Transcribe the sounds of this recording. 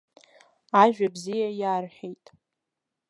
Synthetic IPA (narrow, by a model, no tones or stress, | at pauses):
aʒᶣabzijajaːrħejtʼ